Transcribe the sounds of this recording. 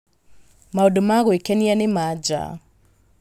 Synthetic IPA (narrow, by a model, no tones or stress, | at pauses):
maodomaɣwekɛnianemad͡ʒa̰